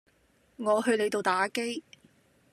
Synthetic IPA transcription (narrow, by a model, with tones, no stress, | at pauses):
ŋɔː˨˧ɦɵ˧ɥle˨˧jt̪o˨wt̪aː˨˥ke˥j